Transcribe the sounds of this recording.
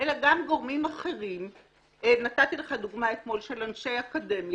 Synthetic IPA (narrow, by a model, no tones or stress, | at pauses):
ʔelaɡamɡoʁmimaχe̞ʁim | enat̪at̪ileχad̪uɡmaet̪mo̞lʃe̞lanʃejakade̞mj